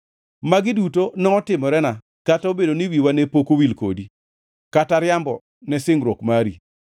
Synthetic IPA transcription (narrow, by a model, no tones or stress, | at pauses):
maɡɪdutonɔɔtɪmɔɾɛna | kataobedoniwiwanepokowilko̰di | kataɾjambɔ | nɛsɪŋɾwokmaɾḭ